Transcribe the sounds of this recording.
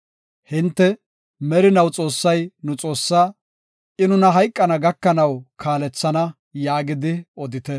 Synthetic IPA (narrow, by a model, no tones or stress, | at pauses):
hɪnt̪ːɛ | mɛɾɪnɐwt͡sʼo̞ːsːɐjnʊt͡sʼo̞ːsːaː | ɪnʊnɐɦɐjkʼːɐnɐɡɐkːɐnɐwkʰaːlɛt͡sːɐnɐ | jaːɡɪd̪ɪɔd̪ɪt̪ɛ